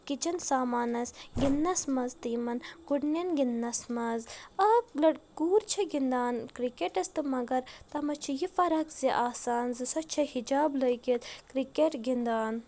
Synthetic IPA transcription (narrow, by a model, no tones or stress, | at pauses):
kit͡ʃɐnsaːmaːnɐsɡinːɐsmɐzt̪iːmɐnɡuɽnɐnɡinːɐsmɐzɐlɐɽkuːɾt͡ʃʰɐɡind̪aːnkɾikeʈɐst̪ɨmɐɡɐɾt̪ɐmɐt͡ʃʰijifɐɾɐkziʔaːsaːnzɨsɐt͡ʃʰɐhid͡ʒaːbləjkit̪kɾikeʈɡind̪aːn